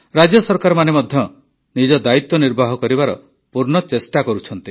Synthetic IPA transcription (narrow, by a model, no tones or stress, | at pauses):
ɾad͡ʒɔsɔɾkaɾɔmanemɔd̪ʱjɔ | nid͡ʒɔd̪ait̪wɔniɾbʱaɦɔkɔɾibaɾɔ̰ | puɾnɔt͡ʃesʈakɔɾut͡ʃʰɔnt̪i